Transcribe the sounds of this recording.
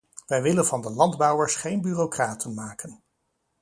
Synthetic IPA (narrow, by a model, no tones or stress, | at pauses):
ʋɛjʋɪlənv̥ɑndəlɑndbɔwəɹsχejnbyːrowkraːtʰənmaːkən